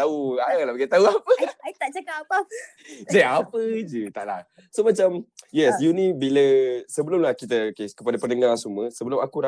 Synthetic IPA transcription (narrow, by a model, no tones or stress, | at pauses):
t̪auaaŋlabaɡat̪auapəit̪aʔt͡ʃəkaapa | d͡ʒaapəd͡ʒɨt̪a̰ʔla̰h | somat͡ʃamjɛsjunibiləsəbəlʊmlahkit̪əkeskəpadapənəŋarsuməsəbəlʊmakuɾa